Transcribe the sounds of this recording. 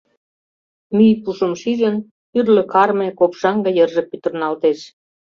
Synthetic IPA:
myjpuʃə̆mʃiʒə̆n | yrlø̆kɑrmekopʃɑŋɡɑjərʒĕpyt̪ə̆rnɑlt̪eʃ

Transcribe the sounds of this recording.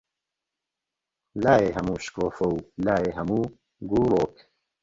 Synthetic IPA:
laːeːɦɐmuːʃkoːfowlaːeːɦɐmuː | ɡuːloːk

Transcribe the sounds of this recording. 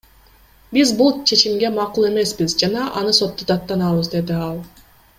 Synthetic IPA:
bizbulˠt͡ʃʰe̞t͡ʃimɡe̞mɑqulˠe̞me̞sbizd͡ʒɑnɑʔɑnɯso̞t̪ːud̪ɑt̪ːɑnɑβɯzd̪e̞d̪iɑlˠ

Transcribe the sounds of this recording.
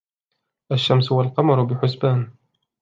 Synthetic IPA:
ʔaʃːamsʊwalqɑmɑɾˤʊbɪħʊsbaːn

